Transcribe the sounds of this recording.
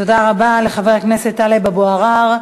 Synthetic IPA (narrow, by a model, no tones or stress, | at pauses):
odaʁabale̞χaveʁkneset̪ːalebaboaʁaʁ